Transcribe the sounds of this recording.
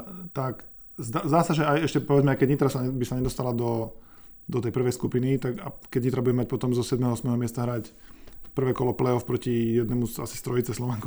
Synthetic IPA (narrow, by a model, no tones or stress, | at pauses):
t̪akzd̪azd̪aːsaʒɛajɛʃcɛpɔʋɛd͡zmɛaɪkɛɟɲit̪ɾasaɲɛbisaɲɛd̪ɔst̪alad̪ɔ | d̪ɔt̪ɛjpr̩ʋɛjskupinit̪aka̰kɛɟɲit̪ɾabuɟɛmac̚pɔt̪ɔmzɔsɛd̪mɛɦɔɔsmɛɦɔmɪɛst̪aɦɾacpr̩ʋɛːkɔlɔplɛɔfpɾɔcijɛd̪nɛmusa̰si̥st̪ɾɔit͡sɛslɔʋɛŋku